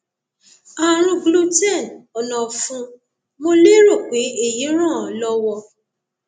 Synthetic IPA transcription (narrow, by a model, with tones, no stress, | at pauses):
a˨ɾ̃ũ˧ɡlu˧tɛ˦˨nɔ˨nɔ̃˨fũ˧˦ | mo˧le˦ɾo˦˨k͡pe˨˦e˦˨ji˨˦ɾ̃ã˦˨lɔ˦wɔ˧